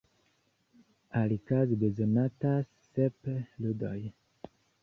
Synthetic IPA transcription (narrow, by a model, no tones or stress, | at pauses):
alikazdezonata | sepludoj